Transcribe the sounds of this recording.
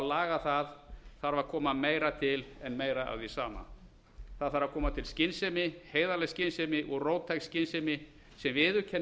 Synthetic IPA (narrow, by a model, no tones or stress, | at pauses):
alaːɣaθaðθaɾvakʰɔːmameːjɾat̪ʰɪlɛnmeːjɾaa̰wðisaːma̰ | θaðθaɾvakʰɔːmat̪ʰɪlscɪnsɛmɪheːjðalɛscɪnsɛmɪʔɔɣroːwt̪ʰajkscɪnsɛmɪ | sɛmvɪðʏcʰɛn